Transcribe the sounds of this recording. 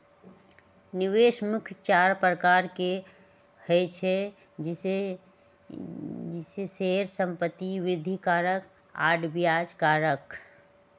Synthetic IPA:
niweʃmukʰt͡ʃaɾpɾəkaɾke | hət͡ʃʰɛ | e | d͡ʒiseseɾsəmpət̪ːiʋɾɪd̪ʱikaɾək | a̰ɖbijad͡ʒkaɾək

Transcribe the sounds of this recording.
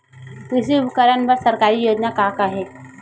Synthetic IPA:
kɪs̬iʊbkəɾənbɐɾsɐɾkaːɾijoːd͡ʒnakakaɦɛː

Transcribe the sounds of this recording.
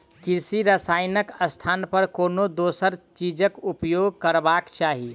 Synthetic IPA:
kiɾsiɾəsajnəkəst̪ʰanpəɾkonod̪osəɾt͡ʃid͡ʒəkupjoɡkəɾbakt͡ʃaɦi

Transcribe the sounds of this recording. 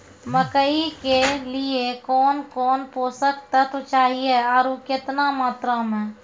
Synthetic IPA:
məkəikeliekɔːnkɔːnpoːsəkt̪at̪ot͡ʃaːɦieɔːɾokɪt̪namaːt̪ɾamẽː

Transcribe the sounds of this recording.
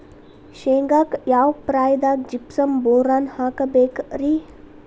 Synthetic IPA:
ʃeːŋɡaːkjaːwpɾaːjd̪aːk̚d͡ʒipsɐmboːɾaːnhaːkɐbeːkɾi

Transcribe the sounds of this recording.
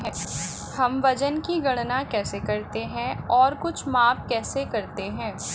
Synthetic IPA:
ɦɛ̃ | hɐmʋɐd͡ʒənkiɡɐɽ̃nakɛːsekɐɾt̪eɦɛ̃ɔːɾkʊt͡ʃʰmaːpkɛːsekɐɾt̪eɦɛ̃ː

